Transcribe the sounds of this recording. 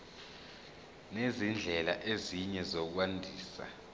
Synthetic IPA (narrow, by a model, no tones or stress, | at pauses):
nezind͡ɮʱɛlaʔeziɲɛzok̬wandʱiːsa̰